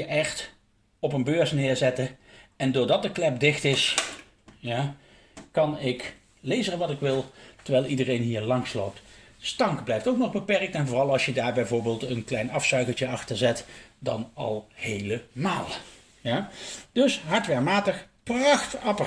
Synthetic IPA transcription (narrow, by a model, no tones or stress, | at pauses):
jəʔɛχt | ɔp̬ənbøːɹsnɪːɹzɛtəɛndʊːɹdɑt̚dəklɛp̚dɪxtɪs | jaː | kɑnɪk | lejzəʋɑtɪkʋɪlˠtəɹʋɛjlˠidərejnɦiːɹlɑŋslo̰wp̚t | stɑŋkblɛjftowknɔχbəpɛrk̚tɛnvoːrɑlˠɑlˠsʃjədaːɹbɛjvoːɹbeːlˠtənklɛjnɑfsœɥkəlˠt͡ʃəɑxtəɹzɛtdɑ̰nɑ̰lˠhejləmaːlˠ | jad̥ɵsɦɑɹtʋɛmaːtəχprɑxtɑp